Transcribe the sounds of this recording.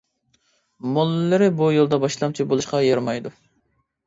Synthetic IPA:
molˠːɨɾɪbujolˠd̪ɑbɑʃlˠɑmt͡ʃʰibolˠuʃqɑjɑɾmɑjd̪u

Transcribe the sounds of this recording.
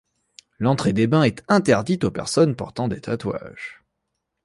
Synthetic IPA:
lɑ̃t̪χed̪ebɛ̃ɛt̪ɛ̃t̪ɛʁd̪it̪opɛ̰ʁsɔnpɔ̰ʁt̪ɑ̃d̪et̪ʰat̪wa̰ʒ̥

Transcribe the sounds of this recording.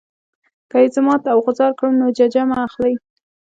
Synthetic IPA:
kəɪt̪ɪmɑt̪awɣʊzɑɾkɽəmnod͡ʒad͡ʒamaːxlaj

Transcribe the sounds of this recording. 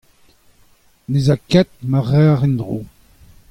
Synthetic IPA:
nezakɛt̪̚maʁɛːʁindʁo̰ː

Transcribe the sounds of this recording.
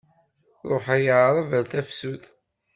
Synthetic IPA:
ɾˤoħæjəʕɾˤəvælθæfsuθ

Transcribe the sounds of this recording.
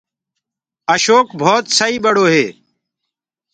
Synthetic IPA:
əʃoːkbʱoːt̪səiːbəɽoːɦeː

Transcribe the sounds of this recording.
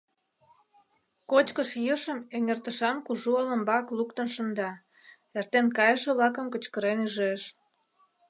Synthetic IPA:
kot͡ɕkəʃjəʃəmeŋert̪əʃɑnkuʒuolə̆mbɑklukt̪ənʃənd̪ɑ | ert̪enkɑjəʃĕβlɑkə̆mkət͡ɕkəɾenyʒeʃ

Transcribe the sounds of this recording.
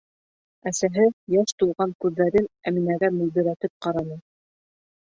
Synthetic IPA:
æsæɦɘjæʃt̪ulˠʁɑŋkʉðːæɾɘnæminæɡæmɵ̆ld̪ɘ̆ɾæt̪ɘp̚qɑɾɑnɤ

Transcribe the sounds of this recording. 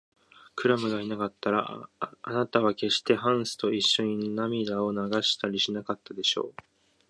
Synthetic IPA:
kɯ̟ɾamɯ̟ɡainakat̪ːaɾaanat̪aβ̞ake̞ɕi̥t̪e̞ɦãɰ̃sɨ̥t̪o̞iɕːo̞ɲ̟innamʲid̪ao̞naɡaɕi̥t̪aɾʲiɕinakat̪ːad̪e̞ɕo̞̰ː

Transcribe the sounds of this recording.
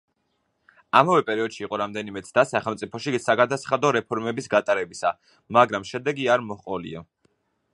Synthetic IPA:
amavɛpʼɛɾiɔd̪̥ʃiːqʼɔɾamd̪ɛnimɛt̪sʰd̪asaχɛlˠmt̪sʼipʰɔʃisaɡad̪asχad̪ɔɾɛpʰɔɾmɛbisɡat̪ʼaɾɛbisa̰ | maɡɾamʃɛd̪ɛɡiaɾmɔχqʼɔlḭa̰

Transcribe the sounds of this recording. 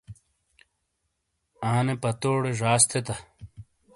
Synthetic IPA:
aːnepɐt̪oːɽeʐaːst̪ʰet̪ɐ

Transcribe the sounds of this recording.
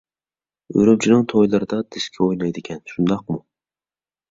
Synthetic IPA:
ø̰ɾym̚t͡ʃʰinɪŋt̪ʰojlˠɨɾɨd̪ɑd̪ɪskʲʰɛojnɑjd̪ɪkʲʰɛnʃund̪ɑq̚mu

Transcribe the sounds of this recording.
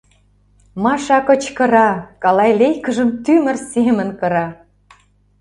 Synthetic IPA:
mɑʃɑkə̆t͡ɕkə̆ɾɑkɑlɑjlejkə̆ʒə̆mt̪ymə̆rsemə̆nkɤ̆ɾɑ

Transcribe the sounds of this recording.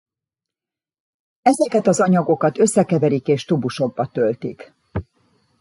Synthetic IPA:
ɛzɛkɛt̪ɒzɒɲɒɡo̞kɒt̪ø̞sːɛkɛvɛɾikeːʃt̪ubuʃo̞ɡ̚bɒt̪ølt̪ḭk

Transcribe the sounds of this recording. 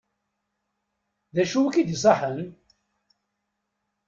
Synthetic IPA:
ðæʃuwækid̪isˤɑħən

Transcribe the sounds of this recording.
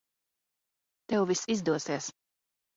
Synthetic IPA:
t̪ɛwvisizd̪uɔsiɛs

